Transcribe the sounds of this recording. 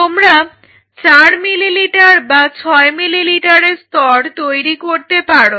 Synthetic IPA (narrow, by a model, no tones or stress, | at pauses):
t̪omɾa | t͡ɕaɾmililiʈaɾbat͡ɕʰɔemililiʈaɾeɾst̪ɔɾt̪ojɾikoɾt̪epaɽo